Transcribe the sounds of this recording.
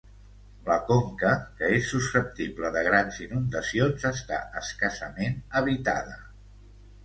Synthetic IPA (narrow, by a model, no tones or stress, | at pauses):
ləkoŋkəkəesːusəp̚t̪ipləðəɣ̞ɾanzinund̪əsionzəst̪a̰əskasə̰menəβ̞it̪a̰ðə